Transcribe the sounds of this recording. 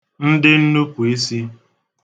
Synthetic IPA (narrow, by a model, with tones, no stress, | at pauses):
n̩˦dɪ˦n̩˦nu˦ku˨i˦si˦